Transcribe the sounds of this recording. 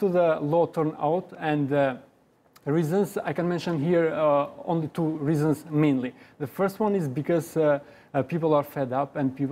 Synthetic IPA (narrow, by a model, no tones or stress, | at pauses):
soðəlɔtʰɜɹna̰ʊtɛ̃nɨ | ɹizə̃nza̰jkɛ̃nmɛ̃nʃə̃nɦiɹõ̰nlitʰuɹizə̃nzmẽɪ̃nliðəfɜ˞st̚wʌ̃nɪzbɨkɔz | pipl̩ˠaɹfɛdʌpɨ̃npip